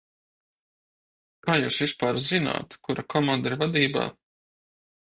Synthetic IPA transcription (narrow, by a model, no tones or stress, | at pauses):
kaːjuːsvispaːɾzina̰ːt̪kuɾakʰɔmand̪iɾvad̪iːba̰ː